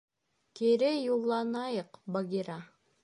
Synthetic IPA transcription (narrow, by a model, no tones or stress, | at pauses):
kiɾɘjulˠːɑnɑjɤqbaɡʲiɾa